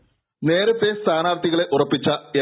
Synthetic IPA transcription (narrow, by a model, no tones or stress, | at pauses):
ne̞ːɾɐt̪ːe̞st̪ʰaːnaːrt̪ːiɣɐɭe̞ʔurɐpːit͡ɕːɐe